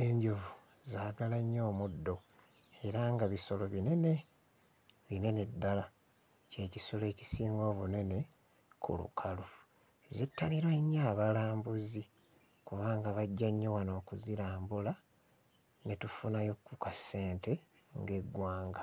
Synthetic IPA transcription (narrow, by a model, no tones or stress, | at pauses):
eɲɟovu | zaːɡalaɲːo̞ːmudːo̞ | e̞ɾaŋɡaβiso̞lo̞βine̞ne̞ | βine̞ned̪ːala | ce̞ːcisole̞ːci̥siːŋɡo̞ːβune̞ne̞ | kṵlṵkʰalu | zitːaliɾweɲːaːβalaːmbuzi | kuβaːŋɡaβaɟːaɲːowano̞ːkuziɾaːmbula | netufunajo̞kːukasːe̞ːnte̞ | ŋɡe̞ɡwaːŋɡa